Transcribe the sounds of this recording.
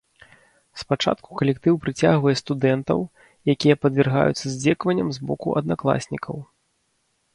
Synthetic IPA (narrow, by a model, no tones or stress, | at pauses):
spat͡ʂa̰t̪kukɐlʲɛkt̪ɨwpɾɨt͡sʲaɣvɐjɛst̪ud̪ɛnt̪ɐ̰w | jakʲijɐpɐd̪vʲɛrɣa̰jut̪sːɐzʲd͡zʲɛkvɐnʲːɐmzbɔ̰kṵʔɐd̪̚naklˠa̰sʲnʲikʰɐw